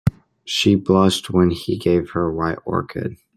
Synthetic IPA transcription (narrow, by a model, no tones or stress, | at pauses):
ʃiblʌʃt̚wə̃niɡeɪv̥hə˞waɪɾɔ̰ɹkʰɨ̰d̥̚